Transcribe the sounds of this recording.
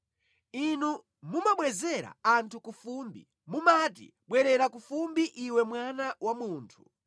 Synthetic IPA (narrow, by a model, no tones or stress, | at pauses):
inu | mumaɓwɛzɛɾa̰antʰukufumbḭ | mumatḭɓwɛɾɛɾakufumbiʔiwɛmwanawamuːntʰu̥